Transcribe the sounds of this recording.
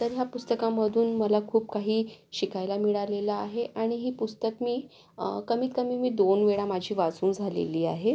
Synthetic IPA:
t̪əɾɦjapust̪əkaməd̪ʱuːnməlakʰuːpkaɦiːɕikajlamiɭalelaaɦeʔaɽ̃iɦiːpust̪əkmiː | kəmiːt̪̚kəmiːmiːd̪onʋeɭamad͡ʑʱiːʋad͡zuːnd͡zʱalḛliːaɦe

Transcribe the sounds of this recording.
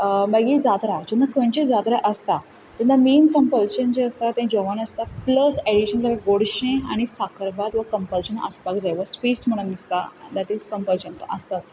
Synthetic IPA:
baɡid͡zad̪ɾad͡ʑenːakõnt͡ɕed͡zad̪ɾaʔəst̪a | t̪ed̪amiːnkəmpəlɕənd͡ʑeəst̪at̪ẽd͡ʑɔʋanəst̪apləseɽiɕənt̪aɡaɡoɽɕẽaɽ̃isakʰəɾbat̪ʋəkəmpəlɕənə̰spakd͡zajʋəspiʈsm̤əɽ̃unːist̪ad̪æʈizkəmpəlɕənt̪ʔəst̪as

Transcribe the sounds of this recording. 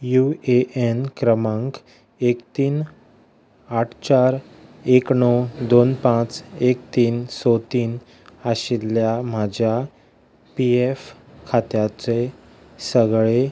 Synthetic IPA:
jueʔenkɾəmãŋk | ekt̪iːn | aʈʰt͡ɕaɾ | eknɔd̪onpãt͡sekt̪iːnsɔt̪iːn | aɕiljam̤ad͡ʑʱja | pief | kʰat̪jat͡se | səɡɭe

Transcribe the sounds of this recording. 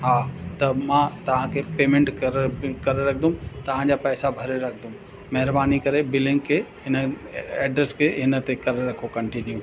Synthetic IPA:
ɦaːt̪ɐmãːt̪ɐʋ̤ãkʰepeːmẽɳʈkɐɾkɐɾeɾɐkʰd̪ũt̪ɐʋ̤ãd͡ʑaːpɛːsabʱɐɾeɾɐkʰd̪ʱũ | mɐɦɪɾbaːnikɐɾebɪlɪ̃ŋɡkʰeːɦɪn | ɛːɖɾeskʰeɦɪnət̪ekɐɾeɾɐkʰokɐ̃ɳʈɪnjũː

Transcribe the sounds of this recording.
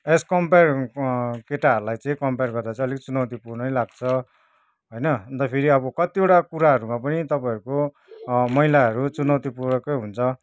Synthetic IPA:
eskʌmper | keʈaɦʌɾulajt͡sʌĩkʌmperɡʌrd̪at͡sʰʌ̃ʌlikt͡sunʌwt̪ipurnʌjlaɡ̚t͡sʰʌ | ɦojnʌʌnt̪ʌpʰiɾiʌbʌkʌt̪ioʈakuɾaɦʌɾumapʌnit̪ʌpajʌɾuko | mʌilaɦʌɾut͡sunʌwt̪ipurɽʌkʌjɦunt͡sʰʌ

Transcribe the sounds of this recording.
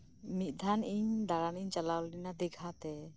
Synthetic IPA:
mit̪̚ˀd̪ʱanʔiɲd̪aɾaniɲt͡ʃalawlinad̪ɛɡʱat̪ɛ

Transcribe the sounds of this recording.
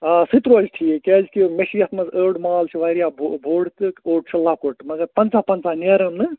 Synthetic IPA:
asit̪ɾoːd͡ʒʈ̪ʰijekeːkimesijɐt̪ʰmɐsəːɽmalt͡ʃʰiʋaɾijabʱbʱoːɽt̪ɨoːʈ̚t͡ʃʰɐlaːkoʈmɐɡɐɾpɐnt͡sapɐnt͡saneːɾɐmnɨ

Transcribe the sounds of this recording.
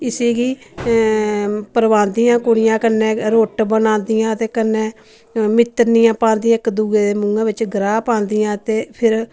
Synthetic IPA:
ɪsiːɡiː | pəɾʋãːnd̪ijãːkʊɽɪjãːkənːẽːɾoːʈbənãːnd̪ɪjãːət̪eːkənːeː | mɪt̪ːəɾnɪjãːpãːnd̪ɪjãːɪkd̪uːɡeːd̪eːmʊŋɡãːʋɪt͡ʃɡɾaːpãːnd̪ɪjãːt̪eːpʰɪɾ

